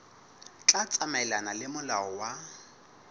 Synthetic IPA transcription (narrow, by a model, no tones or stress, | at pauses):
t͡ɬʼat͡sʼamaɛlanalɪmʊlaɔwa